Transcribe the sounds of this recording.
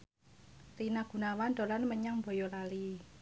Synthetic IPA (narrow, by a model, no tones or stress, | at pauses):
rinaɡ̥ṳnawand̪o̤lanməɲaŋbo̤jɔlali